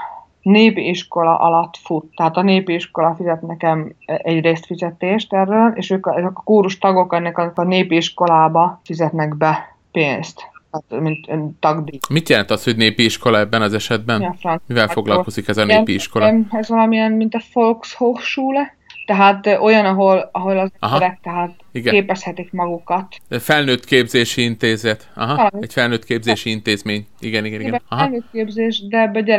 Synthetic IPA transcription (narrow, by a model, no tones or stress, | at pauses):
neːpiʃko̞lɒ̰ʔɒlɒt̪fut̪ːɛɦaːt̪ɒneːpiiʃko̞lɒfizɛt̪nɛkɛmɛɟreːst̪fizɛt̪eːʃt̪ɛrːøːleːʃøːkzkɒ̥kuːɾuʃt̪ɒɡo̞kɛnːɛkɒkɒneːpiʃko̞laːbɒfizɛt̪nɛɡbɛ | peːnst̪t̪ɛːt̪mint̪ːɒɡd̪imit̪jɛlɛnt̪ɒsho̞ɟneːpiiʃko̞lɒɛbːɛnɒzɛʃɛd̪̚bɛnfrɒnmivɛlfo̞ɡlɒlko̞zikɛzɒneːpiiʃkolɛzʋvɒlɒmiɛnmint̪ɒfolkshokʃuːl | t̪ɛɦaːt̪o̞jɒnɒɦo̞lɒɦo̞lɒzɒɦɒɾɛk̚t̪ɛɦat̪iɡɛeːpɛshɛt̪ikmɒɡukɒt̪fɛlnøːt̪keːbzeːʃiint̪eːzɛt̪ɒ̰ɦɒɛɟfɛlnøːt̪keːbzeːʃiint̪eːzmeːɲiɡɛniɡɛniɡɛnɒɦlnøːt̪̚keːbzeːʃd̪ɛbøɟɛ